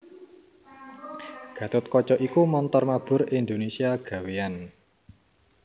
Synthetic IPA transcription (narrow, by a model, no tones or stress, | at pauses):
ɡ̥ä̤t̪ʊt̪̚kɔt͡ʃɔʔikumɔnt̪ɔrmab̥ʊ̤ɾind̪onesiaɡ̥a̤wean